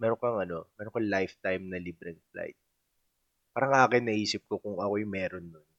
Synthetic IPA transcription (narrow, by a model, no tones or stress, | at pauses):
mɛɾokɐŋɐno̞mɛːɾoŋkɐlajft̪ajmnɐliːbɾɛŋpla̰jt̪̚ | paːɾɐŋʔaːkɪnːɐʔiːsɪp̚kokʊŋɐkojmɛːɾonːon